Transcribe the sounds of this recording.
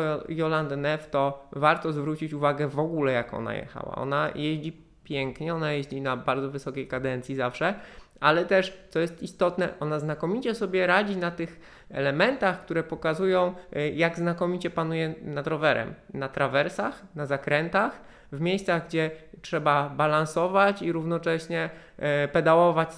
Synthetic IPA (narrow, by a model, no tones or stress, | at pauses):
jɔland̪nɛft̪ɔvaɾt̪ɔzvɾut͡ɕit͡ɕuvaɡɛvɔɡulɛjakɔ̰na̰jɛ̰xa̰wa̰ɔ̰najeʑd͡ʑi | pʲjɛŋkɲɛɔnajeʑd͡ʑinabaɾd̪ɔvɘsɔkʲejkad̪ɛnt̪sjizafʂɛ | ʔalɛt̪ɛʂt̪sɔjɛst̪ist̪ɔt̪nɛʔɔnaznakɔmʲit͡ɕɛsɔbʲjɛɾad͡ʑinat̪ɘx | ɛ̰lɛmɛnt̪axkt̪uɾɛpɔkazujɔ̃w̃jaɡznakɔmʲit͡ɕɛpanujɛnad̪ɾɔvɛɾɛ̰mnat̪ɾʔavɛɾsaxnazakɾɛnt̪ax | vmʲjejst̪saɣɡd͡ʑɛtʂɛbabalãñsɔvat͡ɕiɾuvnɔt͡ʂɛɕɲɛ | pɛd̪awɔvat͡ɕ